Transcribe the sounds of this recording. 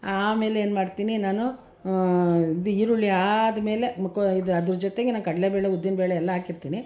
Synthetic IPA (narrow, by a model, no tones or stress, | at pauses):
aːme̞ːleeːnmaːɖt̪iːninaːnu | id̪uiːɾuɭːiaːd̪ɐme̞ːle̞koid̪ɐd̪ɾud͡ʒot̪eɡenaːnkɐɽɐlebeːɭeud̪ːinɐbeːɭeɛlːɐɦaːkiɾt̪iːni